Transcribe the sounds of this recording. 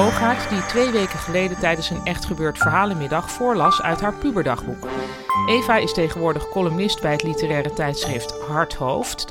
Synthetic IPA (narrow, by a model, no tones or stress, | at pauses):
owχaːtditʋejʋejkəχəlejdətɛjdənsənɛχtχəbøːɹtfəɹɦaːlənmɪdɑχfʊːɹlɑsœ̰ɥtɦaːɹpybəɹdɑχbuk | ʔejvaːɪstejχənʋʊːɹdəχkɔlymɪstbɛjɦətlitərɛːɾətɛjtsχrɪftɦɑɹtɦowft